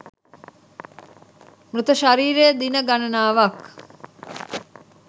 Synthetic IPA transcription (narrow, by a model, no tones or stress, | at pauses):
mɾut̪əʃaɾiːɾejəd̪inəɡanɐnaːʋɐk